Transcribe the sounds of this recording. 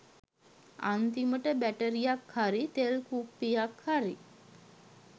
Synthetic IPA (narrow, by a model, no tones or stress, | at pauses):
a̰nt̪iməʈəbæʈəɾijakhaɾit̪elkupːijakhaɾi